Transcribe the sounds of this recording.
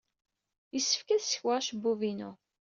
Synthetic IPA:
jəsːə̥fkæðsə̥çwaʁʃbːuvinṵ

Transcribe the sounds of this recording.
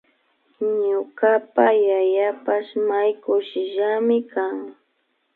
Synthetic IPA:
ɲʊkapajajapaʃmajkʊʃɪʒamɪkaŋ

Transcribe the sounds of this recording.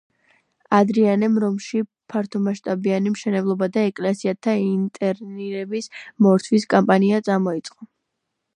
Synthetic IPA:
ad̪ɾianɛmɾɔmʃi | pʰaɾt̪ʰɔmaʃt̪ʼabianimʃɛnɛblˠɔbad̪aɛkʼlɛsiat̪ʰaint̪ʼɛɾniɾɛbismɔɾt̪ʰwiskʼampʼaniat̪sʼamɔit̪sʼqʼɔ

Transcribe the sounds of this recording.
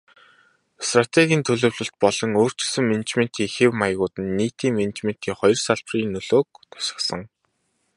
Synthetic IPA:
st̪rat̪ʰeɣʲiːnt̪ʰɵɮɵ̆ːwɮɵ̆ɬt̪̚pɔɮɞ̆ŋoːr̥t͡ɕɪ̆sɵ̆ŋment͡ɕmen̥t̪iːŋxewmajɣʊːt̪ɘ̆nːiːt̪iːŋmen̆t͡ɕmen̥t̪iːŋχɔjɞ̆rsaɮpriːnːɵɮoːk̚t̪ʰḁsɪ̥̆χsə̆ŋ

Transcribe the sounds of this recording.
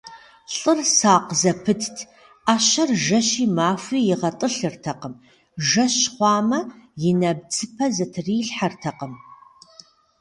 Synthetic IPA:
ɬʼɨrsaːqzɐpʰɨtʰtʰ | aːʃɐrʒɐʃiːmaːfʷiːjɪʁɐtʼɨɬɨrtʰɐqəm | ʒɐɕχʷɑːmɐjɪnɐb̚d͡zʰɨpʰɐzɐtʰriːɬħartʰɐqəm

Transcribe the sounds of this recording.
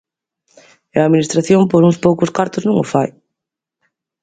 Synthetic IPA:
ɐaðminist̪ɾaθjompoɾũspowkʊskaɾt̪ʊznũŋʊfaj

